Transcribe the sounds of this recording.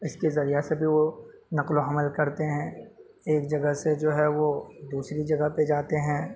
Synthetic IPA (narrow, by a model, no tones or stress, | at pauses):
ɪskezɐɾijasebʱiʋonɐqloɦɐməlkɐɾt̪eɦɛ̃ | eːkd͡ʒɐɡəɦsed͡ʒoːɦɛʋod̪uːsɾid͡ʒɐɡəɦped͡ʒaːt̪eɦɛ̃ː